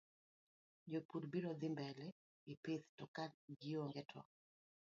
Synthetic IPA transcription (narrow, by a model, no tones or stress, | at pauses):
d͡ʒopuɾbiɾɔd̪ɪmbɛlɛ | ɪpeθtɔkaɡɪoŋɡɛtʰɔ̰